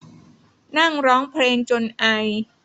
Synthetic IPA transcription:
na˥˩ŋɾɔː˦˥ŋpʰleː˧ŋt͡ɕo˧nʔa˧j

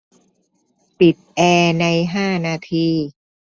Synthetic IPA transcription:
pi˨˩t̪̚ʔɛː˧na˧jɦaː˥˩naː˧t̪ʰiː˧

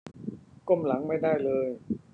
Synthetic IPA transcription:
ko˥˩mla˩˦ŋma˥˩jdaː˥˩jlɤː˧j

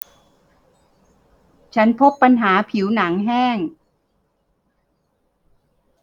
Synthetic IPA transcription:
t͡ɕʰa˦˥npʰo˦˥pːa˧nɦaː˩˦pʰi˩˦wna˩˦ŋɦɛː˥˩ŋ

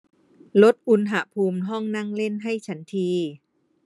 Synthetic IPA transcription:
lo˦˥t̪̚ʔu˧nɦa˧˦pʰuː˧mɦɔ˥˩ŋna˥˩ŋle˥˩nɦa˥˩jt͡ɕʰa˦nt̪ʰiː˧

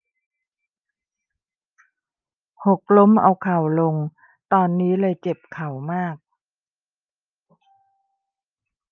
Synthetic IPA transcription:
ho˨˩k̚lo˦˥mʔa˧wkʰa˨˩wlo˧ŋ | t̪ɔː˧nːiː˦˥lɤː˧jt͡ɕe˨˩p̚kʰa˨˩wmaː˥˩k̚

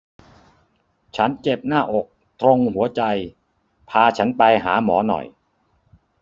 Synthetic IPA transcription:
t͡ɕʰa˦˥nt͡ɕe˨˩p̚naː˥˩ʔo˨˩k̚ | t̪ɾo˧ŋhu˩˦ɐt͡ɕa˧j | pʰaː˧t͡ɕʰa˦˥npa˧jɦa̰ː˩˦mɔ̰ː˩˦nɔ̰˨˩j

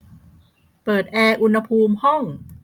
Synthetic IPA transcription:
pɤː˨˩t̪̚ʔɛː˧ʔu˧nha˧pʰuː˧mhɔ˥˩ŋ

